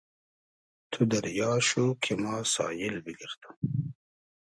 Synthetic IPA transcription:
t̪ʰud̪ɐɾjɑːʃukʰemɑːsɑ̰ːjɪlbiɡiɾt̪u̥

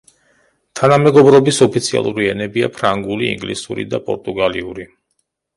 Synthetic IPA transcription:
t̪ʰanamɛɡɔbɾɔbisɔpʰit̪sʰia̰lˠuɾiɛnɛbiapʰɾaŋɡuliḭŋɡlisuɾḭd̪apʼɔ̰ɾt̪ʼuɡaliuɾi

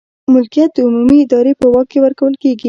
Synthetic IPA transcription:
mʊlkijat̪̚d̪əʊmumiɪd̪ɑɾepəwɑk̚kːewəɾkawəlkeɡi

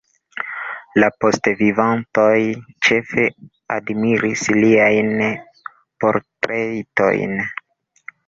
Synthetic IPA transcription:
lapo̞stvivanto̞jt͡ʃe̞fe̞ | a̰dmiɾisliajn | po̞ɾtɾejto̞̰jn

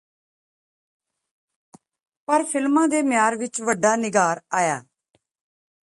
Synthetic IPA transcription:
pəɾpʰɪlmãːd̪eːmjaːɾʋɪt͡ʃʋəɖːaːnɪɡaːɾaːjaː

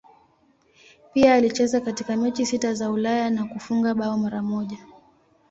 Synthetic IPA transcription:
piaːlit͡ʃɛzakatikamɛt͡ʃisitazaulajanakufuŋɡaɓaɔmaɾamɔʄa

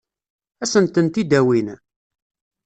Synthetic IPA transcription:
æsənt̪ənt̪id̪æwin

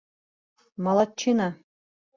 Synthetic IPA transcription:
mɑlˠɑt̪̚t͡ɕinɑ

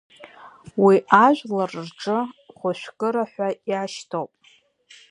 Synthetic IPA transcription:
wiʔaʒᶣʷlarrʈ͡ʂʼɨχʷʊʃʷᶣkʼɨɾaħʷajaʃtʰowpʼ

